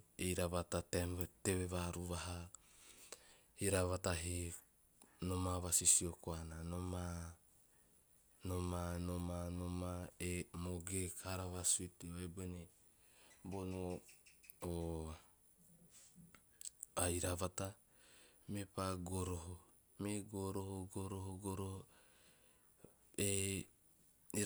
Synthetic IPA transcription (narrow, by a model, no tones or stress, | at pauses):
ejɾaβatateteβeβaɾuβaɦa | hiɾaβataɦi | nomaβasisiokoananoma | nomanomanomaemoɡekʰaɾaβasuitioebene | bonoː | ajɾaβata | mepaɡoɾoɦo | meɡoɾohoɡoɾoɦoɡoɾoho | e